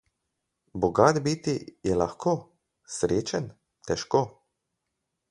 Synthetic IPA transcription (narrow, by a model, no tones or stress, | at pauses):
bɔɡaːd̪bit̪ijɛlaxkoː | sɾeːt͡ʃɛn | t̪ɛʃkoː